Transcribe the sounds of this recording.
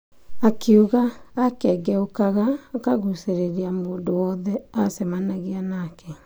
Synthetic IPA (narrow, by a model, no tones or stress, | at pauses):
akeuɣaːkɛɡɛokaɣaːkaɣuseɾeɾiamoːndowɔːðɛasɛmanaɣianakɛ